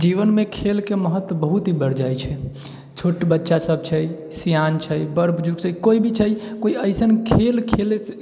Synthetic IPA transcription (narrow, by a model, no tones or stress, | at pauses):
d͡ʒiʋənmekʰelkeməɦət̪wəbəɦut̪ɦibəɽd͡ʒajt͡ʃʰɛ | t͡ʃʰoʈbətːʃasəb̚t͡ʃʰəj | sijant͡ʃʰəjbəɾbʱd͡ʒuɡt͡ʃʰəikoibʱit͡ʃʰəjkoiəɪsənkʰelkʰele